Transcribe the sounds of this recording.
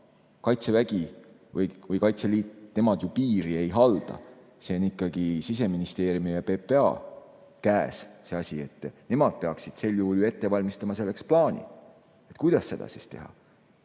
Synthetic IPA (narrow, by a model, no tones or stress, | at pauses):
kɑjt̪sevæɡ̥i | vɯjvɯjkɑjt̪seliːt̪ne̞mɑd̪̥jupiːɾie̞jɦɑld̪̥ɑ̰ | seonikːɑɡ̥isis̬e̞minist̪e̞ːɾjumijɑpe̞peɑ̰ː | kæːsse̞ɑsʲie̞t̪ːˑne̞mɑd̪̥̚pe̞ɑksid̪̥se̞lːjuhuljue̞t̪ːe̞vɑlʲmist̪ɑmɑse̞lːe̞ksplɑːnʲḭ | et̪ˑkujd̪̥ɑsːe̞d̪ɑ̰sist̪e̞ɦɑ̰